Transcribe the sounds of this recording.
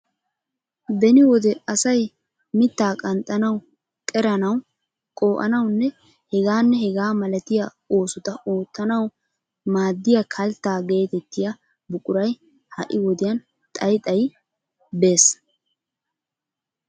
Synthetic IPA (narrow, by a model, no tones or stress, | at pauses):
bɛnɪwɔd̪ɛɐsɐj | mɪt̪ːaːkʼɐnt̪ʼːɐnɐw | kʼɛɾɐnɐw | kʼo̞ːʔɐ̰nɐwnːɛ | hɛɡaːnːɛhɛɡaːmɐlɐt̪ɪja | o̞ːsʊt̪ɐʔoːt̪ːɐnɐw | maːd̪ːɪjakʰɐlt̪ːaːɡe̞ːt̪ɛt̪ːɪjɐ | bʊkʼʊɾɐj | hɐ̰ʔɪwɔd̪ɪjɐn | t̪ʼɐjt̪ʼɐj | be̞ːs